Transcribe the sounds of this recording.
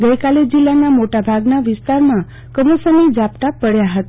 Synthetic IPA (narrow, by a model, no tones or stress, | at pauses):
ɡəjkaled͡ʒilːanamoʈabʱaɡnaʋɪst̪aɾmã | kəməsənid͡ʒap̚t̪apəɽjaɦət̪